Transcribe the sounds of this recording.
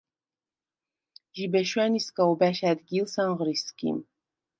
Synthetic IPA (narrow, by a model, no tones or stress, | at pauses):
ʒibɛʃwaniskʼaubæʃæd̪ɡilsanʁəɾiskḭm